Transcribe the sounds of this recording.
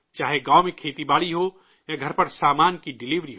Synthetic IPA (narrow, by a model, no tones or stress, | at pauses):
t͡ʃaːɦeɡaːwmẽkʰeːt̪ibaːɭiɦo | jaɡʱɐɾpɐɾsaːmaːnkiɖɪliːʋɾiɦoː